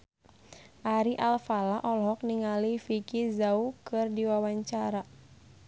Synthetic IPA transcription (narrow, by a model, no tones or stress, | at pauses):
ʔaɾiʔalfalaʔɔlɦɔk̚niŋalifikizaukɨrdiwawaɲt͡ʃaɾa